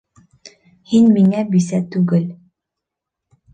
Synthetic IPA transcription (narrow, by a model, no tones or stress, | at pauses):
hinmiŋæbisæt̪ʉɡɘl